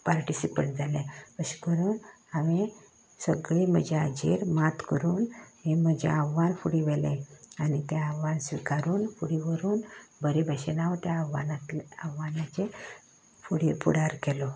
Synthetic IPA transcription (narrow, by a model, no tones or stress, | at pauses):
paɾʈisipə̰ɳʈ̚d͡zʱalẽpəɕi̥kəɾuːn | aʋe | səɡɭim̤əd͡ʑead͡ʑḛɾmat̪kəɾuːnɦem̤əd͡ʑa̰aʋːanfuɽiʋelẽanit̪jaaʋːansʋikaɾuːnfuɽiʋəɾuːnbəɾibʱəɕenaʋt̪jaʋanat̪aʋːanat͡ɕe | fuɽiɾpuɽaɾkɛlɔ